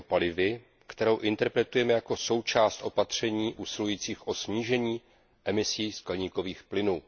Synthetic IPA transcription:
palɪvɪ | kt̪ɛɾo̞wʔɪnt̪ɛɾpɾɛt̪ujɛmɛjako̞so̞wt͡ʃaːst̪ʔo̞pat̪r̝̥ɛɲiːʔuːsɪlujiːt͡siːxʔo̞sɲiːʒɛɲiː | ʔɛmɪsiːskɛlɲiːko̞viːxplɪnuː

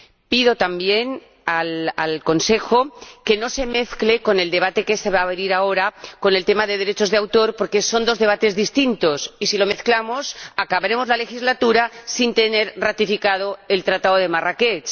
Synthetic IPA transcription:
piðo̞t̪ambjen | alalko̞nse̞xo̞ke̞no̞se̞me̞θkle̞ko̞ne̞ld̪e̞β̞at̪e̞keseβaːβeɾiɾao̞ɾako̞ne̞lt̪e̞maðe̞ð̞eɾe̞t͡ʃo̞zðeawt̪o̞ɾpo̞ɾkeso̞nd̪ozðeβat̪e̞zðist̪int̪o̞sisilo̞me̞θklamosakaβaɾe̞mo̞zlale̞xizlat̪uɾasint̪e̞ne̞ɾrat̪ifikað̞o̞e̞lt̪ɾat̪aðoð̞e̞maraket͡ʃ

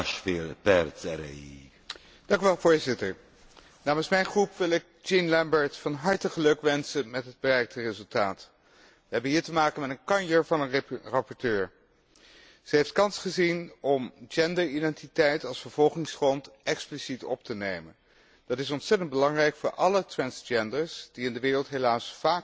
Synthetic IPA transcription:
ʃfɪɾpɛɾtɛɾḛ | d̥ɑŋkyʋɛlˠvoːɹzɪtəɹ | naːmənsmɛjnχrupʋɪlˠɪk̚ | d͡ʒɪnlɛmbəɹtfɑnɦɑɹtəχəlɵkʋɛnsənmɛtɦəd̚bərɛjk̚tərezɵlˠtaːt | ʋəɦɛbənɦiːɹtəmaːkənmɛtənkɑnjəɹvɑnənrɑpɔɹtøːɹ | z̥əɦejftkɑnsχəzinɔmd͡ʒɛndəɹidɛntitɛjtɑlˠsfəɹv̥ɔlˠχɪŋsχrɔntʔɛksplisitɔ̰p̚tənejmə̰n | d̥ɑtɪsɔntsɛtəndbəlɑŋrɛjkfʊːɹʔɑlətɹɛnsd͡ʒɛndəɹsd̥iɪndəʋɪːrəlˠtɦelaːsfaːk

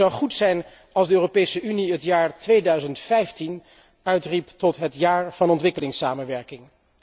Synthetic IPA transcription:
ɑwχutsɛjn | ɑlˠzdəøːropejsəʔyniɦətjaːɹtʋejdœɥzəntfɛjftin | œɥtriptɔtɦətjaːɹv̥ɑnɔntʋɪkəlɪŋsaːmənʋɛɹkɪŋ

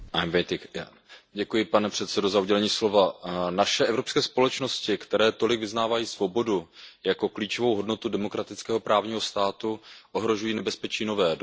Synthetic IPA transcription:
ʔajmvɛjt̪ɪkja | ɟɛkujɪpanɛpr̥ɛt̪sɛdo̞zauɟɛlɛɲiːslo̞vanaʃɛʔɛvɾo̞pskɛːspo̞lɛt͡ʃno̞scɪkt̪ɛɾɛːt̪o̞lɪɡvɪznaːvajiːsvo̞bo̞dujako̞kliːt͡ʃo̞vo̞wɦo̞dno̞t̪udɛmokɾat̪ɪt͡skɛːɦo̞pɾʔaːvɲiːɦo̞st̪aːt̪uʔo̞ɦɾo̞ʒujiːnɛbɛspɛt͡ʃiːno̞vɛːd

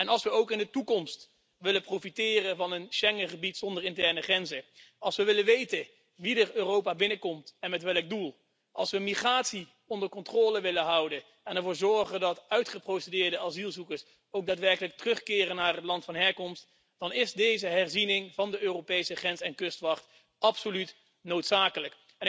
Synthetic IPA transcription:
ɛnɑlˠsʋəowkɪndətukɔmst | ʋɪlənprowfitɪːrənvɑnənʃɛŋəχəbitsɔndəɹɪntɛɹnəχrɛnzə | ɑlˠsʋəʋɪlənʋejtə | ʋidəɹøːrowpabɪnəkɔmtɛnmɛtʋɛlˠɡ̚dulˠ | ʔɑlˠsʋəmiχraːtsi | ɔndəɹkɔntroːləʋɪlənɦʌwdən | ɛnɛɹvʊːɹzɔɹχəndɑtœɥtχəprowsədɪːɹdəɑzilˠzukəɹs | owk̚daːtʋɛɹkələk̚tərɵχkɪːrənːaːrɦətlɑntfɑnɦɛɹkɔmst | d̥ɑnɪzdejzəɦɛɹzinɪŋvɑndəʔøːropejsəχrɛnsɛnkɵstʋɑχt | ɑpsolyt | nowtsaːkələk | ɛn

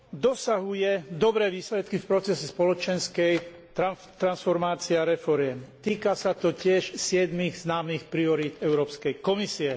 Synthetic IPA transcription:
d̪ɔsaɦujɛd̪ɔbɾɛːʋiːslɛt̪kifpɾɔt͡sɛsɛspɔlɔt͡ʃɛnskɛj | t̪ɾa | t̪ɾansfɔɾmaːt͡siɛaɾɛfɔɾɪjɛmt̪iːkasat̪ɔcɪɛʃsɪɛd̪miɣznaːmixpɾiɔɾiːd̪ɛʊɾɔːpskɛjkɔmisiɛ

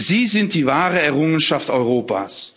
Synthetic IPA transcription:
z̥iːzɪnt̚d̥iːvaːʁəɛɐʁʊŋənʃaftɔʏʁoːpa̰ːs

